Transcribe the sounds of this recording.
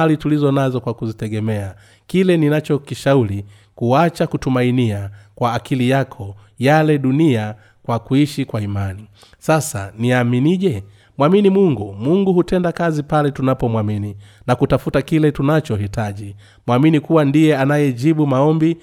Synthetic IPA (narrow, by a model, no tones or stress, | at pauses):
litulizɔnazɔkwakuzitɛɡɛmɛa | kilɛninat͡ʃɔkiʃauli | kuat͡ʃakutumainiakwaːkilijakʰɔ | jalɛɗunia | kwakuiʃikwaimani | sasa̰niaminiʄɛ | mwaminimuŋɡumuŋɡuhutɛndakazipalɛtunapɔmwamini | nakutafutakilɛtunat͡ʃɔhitaʄi | mwaminikuwandijɛanajɛd͡ʒiɓumaɔmbi